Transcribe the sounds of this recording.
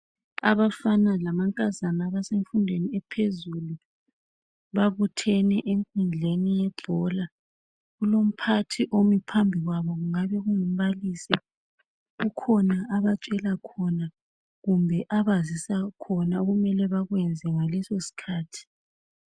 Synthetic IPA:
aβafanalamaŋkʼazanaβaseɱfundʱweniɛpʰezulu | βaβutʰɛnɛʔeŋkʼund͡ɮʱenijɛbʱɔla | ɣulom̩pʰatʰiʔomipʰambʱiɣwaβɔɣuŋaβɛɣuŋum̩βaliːsi | ɣukʰɔnaʔaβat͡ʃʼɛlakʰɔna | ɣumbʱɛʔaβazisakʰɔnaoɣumɛlɛβaɣwɛnd͡zʱɛŋalɛsosi̥kʰaːtʰi̥

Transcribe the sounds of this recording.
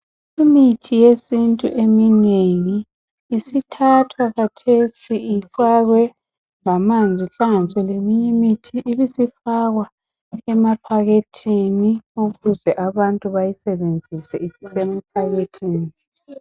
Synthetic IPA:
imitʰijesintʼuʔemineŋiː | sitʰatʰwakatʰesiifaɣwɛ | ŋamand͡zʱiɬaŋanit͡sʼɛlemiɲɛmitʰiʔːβisifaɣwa | ɛmapʰaɣetʰiniuɣuzɛʔaβantʼuβajisɛβend͡zʱisɛisisɛmapʰaɣetʰiːni

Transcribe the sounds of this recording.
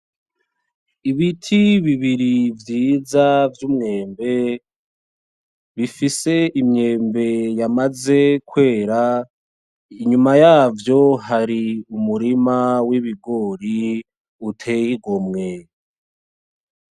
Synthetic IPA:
iβitʰiβiβiɾivjiːzavjuːmŋe̞ːmbe̞ | βifise̞imɲe̞ːmbe̞jamaze̞kwe̞ːɾa | iɲumajaːvjo̞ɦaɾiumuɾimawiβiɡo̞ːɾi | utʰe̞jiɡomŋe

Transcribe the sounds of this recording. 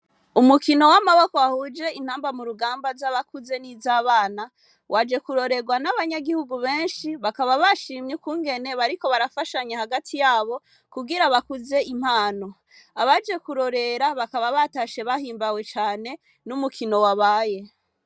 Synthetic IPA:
umukino̞wamaβakoahud͡ʒe̞in̥haːmbamuɾuɡaːmbazaβakuze̞nizaːβaːna | wʔad͡ʒe̞kuɾo̞ɾe̞ɡwanaβaɲaɡihuɡuβe̞ːnʃiβakaβaβaʃiːmɲukuːŋɡe̞ne̞βaɾiko̞βaɾafaʃaɲehaɡatʰijaːβo̞ | kuɡiɾaβakuze̞im̥haːno̞ | aβad͡ʒe̞kuɾo̞ɾe̞ɾaβakaβaβataʃe̞βahiːmbawe̞t͡ʃaːne̞ | numukʰino̞waβaːje̞

